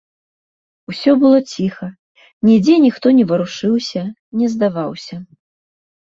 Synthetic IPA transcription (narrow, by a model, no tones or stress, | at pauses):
usʲɔbɨlˠɔt͡sʲixɐ | nʲɛd͡zʲɛnʲixt̪ɔnʲɛvɐɾuʂɨwsʲɐ | nʲɛzd̪avawsʲɐ